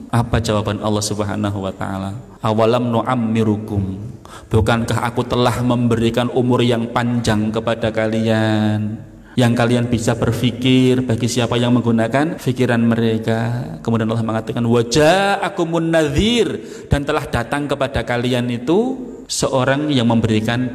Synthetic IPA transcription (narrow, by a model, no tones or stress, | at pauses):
ʔapad͡ʒawabanɑ̰lːɑhsubəɦa̰naɦuwat̪a̰ʔa̰la | ʔawalamnoʔamːiɾuɡʊm | b̥ukankaɦa̰kut̪əlahməmbəɾikanʔumʊrjaŋpaɲd͡ʒaŋkəpadakalian | jaŋkalianbisab̥ərfikɪrb̥aɡisiapajaŋməŋɡunakanfikiɾanməɾekakəmudianʔlɔhməŋat̪akanwad͡ʒaʔakumʊnːaðir | d̥ant̪əlahd̥at̪aŋkəpad̥akalianit̪u | səʔoɾaŋjaŋməmbəɾikan